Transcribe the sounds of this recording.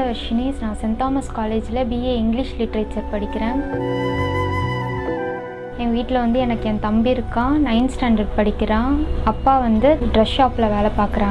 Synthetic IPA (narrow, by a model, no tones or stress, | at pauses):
ɐʋɐɾʂɐniːsnãːsɪnt̪aːmɐskaːleːd͡ʒɪlɐbiːeːɪŋɡlɪʂlɪʈːɐɾeːt͡ʃɐɾpɐɽɪkʲːɪɾẽː | ẽːʋiːʈːɪlɐʋɐnd̪ɯɛnɐkːɯɛ̃nt̪ɐmbiɪɾɯkːãːnɐɪnsʈaːɳɖɐɾɖpɐɽɪkʲːɪɾãːɐpːaːʋɐnd̪ɯɖɾɐsaːpɪlɐʋeːlɐpaːɾkɯɾãː